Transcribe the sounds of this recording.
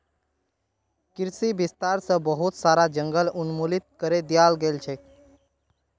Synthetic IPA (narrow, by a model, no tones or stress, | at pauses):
kiɾsibist̪aɾsə̃bəɦut̪saɾad͡ʒəŋɡəlunmulit̪̚kəɾed̪ijalɡelt͡ʃʰɛ